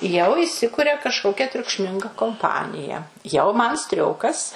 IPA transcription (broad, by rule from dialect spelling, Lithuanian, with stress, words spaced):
jɛʊ ɪˈsʲɪkʊrʲɛ kɐʃˈkoːkʲɛ tʲrʲʊkʃʲˈmʲɪŋɡɐ koːmˈpɑːnʲɪjɛ jɛʊ ˈmɐn ˈsʲtʲrʲoːkɐs